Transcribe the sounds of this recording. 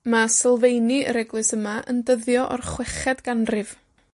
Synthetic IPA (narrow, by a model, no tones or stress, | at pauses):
masɛlˠvejniəɾɛɡlˠɨsəmaʔə̰ndəðjɔʔɔ̰rχwɛχɛdɡanrɨv̥